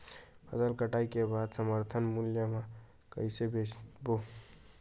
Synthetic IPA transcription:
pʰəsəlkəʈaikebad̪səməɾt̪ʰənmuljəmã | kəjsebet͡ʃbo

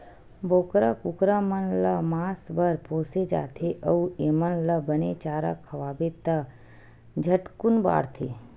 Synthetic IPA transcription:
boːkɾakukɾamənləmaːsbəɾpoːsed͡ʒa̰ːt̪ʰeʔəueːmənləbənet͡ʃaːɾa̰kʰəʋaːbet̪ə | d͡ʒʱəʈkunba̰ːɾt̪ʰḛː

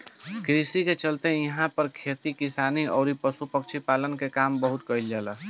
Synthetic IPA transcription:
kɾisiket͡ʃəlt̪ejəɦãpəɾkʰet̪ikisaniɔːɾipəsupək̚t͡ʃʰipalənkekambəɦut̪kəild͡ʒalə

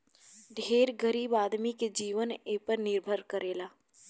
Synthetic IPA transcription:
ɖʱeːɾɡəɾiːbaːd̪miked͡ʒiːʋəneːpəɾnɪɾbʱəɾkəɾʔeːlaː

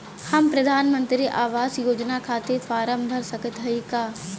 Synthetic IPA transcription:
hɐmpɾɐd̪ʱaːnmə̃nt̪ɾiʔaːʋaːzjoːd͡ʒnakʰaːt̪efaːɾəmbʱəɾsɐkət̪ɦɐikaː

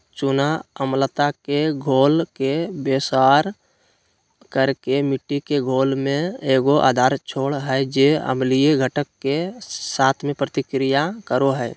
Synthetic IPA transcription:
t͡ʃʊnaəmlət̪akeɡʱoːlkebeːsaːɾ | kəɾkemɪʈːikeɡʱoːlmẽeːɡoʔa̰ːd̪ʱaːɾt͡ʃʰoːɽɦɛd͡ʒeə̰mlijeɡʱəʈəkːesaːt̪ʰmẽpɾət̪ɪkɾijakəɾoɦɛː

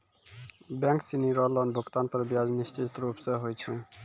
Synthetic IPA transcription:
bɛŋksiniɾɔlɔnbʱokt̪anpɔɾbjad͡znist͡ʃit̪ɾupseɦojt͡sʰũ

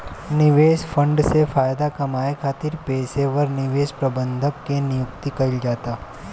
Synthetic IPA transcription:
nɪʋeːsfʰɐ̃ɳɖsefaːjd̪akɐmaːekʰaːt̪ɪɾpeːseʋɐɾnɪʋeːʃpɾɐbə̃nd̪ʱəkkenɪjʊkt̪ikɐɪld͡ʒaːt̪aː

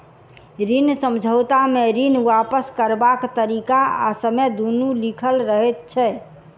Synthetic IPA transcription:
ɾinsəmd͡ʒʱəwt̪ameɾinwapəskəɾbakt̪əɾikaa̰səmed̪unulikʰəlɾəɦɛt̪̚t͡ʃʰɛ

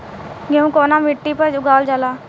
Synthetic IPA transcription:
ɡeũːkoːnaːmɪʈːipəɾd͡ʒʊɡaːld͡ʒalaː

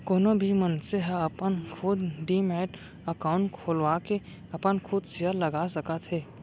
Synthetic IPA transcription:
koːnobʱimənseɦəɐpənkʰʊd̪ɖimɛːʈ | əkaːʊ̃ɳʈkʰoːlwaːke | ɐpənkʰʊd̪sɪəlɐɡasəkat̪ʰɦeː

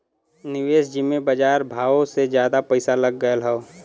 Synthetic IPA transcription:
nɪʋeːsd͡ʒimebəd͡ʒaːɾbʱaːosed͡ʒjaːd̪apəɪsalɐɡːəəlɦɛo

